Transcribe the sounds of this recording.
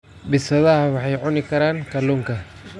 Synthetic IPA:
bɪsɐðɐɦɐwɑħɑjʕʊnɪkʰɐɾaːŋkʰɐluːŋkʰɐ

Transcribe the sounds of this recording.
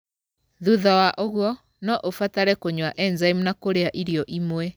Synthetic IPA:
ðuðawaʔoɣwɔ | nɔʔofataɾɛkoɲwaʔɛnzaimunakoɾeaʔiɾiɔʔimwɛ

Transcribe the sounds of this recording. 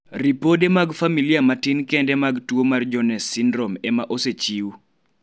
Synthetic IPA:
ripodemaɡfamiliamatinkɛndɛmaɡtwomard͡ʒɔnɛsːindɾomɛmaʔoset͡ʃiu

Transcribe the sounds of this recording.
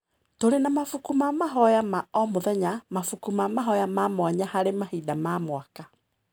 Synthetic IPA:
toɾenamafukumamaɦɔjamaɔmoðɛɲamafukumamaɦɔjamamwaɲahaɾemahidamamwaka

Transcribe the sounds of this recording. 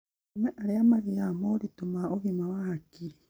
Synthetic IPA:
mweʔaɾiamaɾijamoɾitomaoβimawahakiɾi

